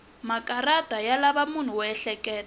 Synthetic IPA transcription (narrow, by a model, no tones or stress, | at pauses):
makʼarad̥ʱajalaβamun̤uwɔɛɬɛkʼɛːl